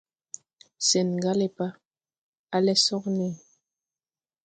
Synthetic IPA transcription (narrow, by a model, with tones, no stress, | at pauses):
sɛ˨nŋ˨ɡa˦lɛ˦pa˦ | a˦lɛ˦sɔ˦kne˦˨